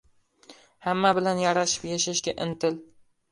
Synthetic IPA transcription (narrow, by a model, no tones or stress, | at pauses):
hamːabɪlanjaɾaʃɪ̥pjaʃaʃɡʲaʔɪnt̪ʰɪl